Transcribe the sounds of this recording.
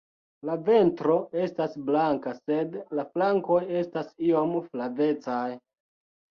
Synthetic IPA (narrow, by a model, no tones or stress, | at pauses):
lave̞ntɾo̞e̞stasblaŋkase̞dlaflaŋko̞je̞stasio̞mflave̞t͡saj